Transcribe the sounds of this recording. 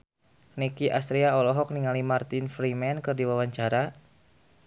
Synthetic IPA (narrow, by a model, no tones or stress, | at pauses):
nikiʔast̪ɾiaɔlɔɦɔk̚niŋalimart̪infɾimɛnkɨrdiwawaɲt͡ʃaɾa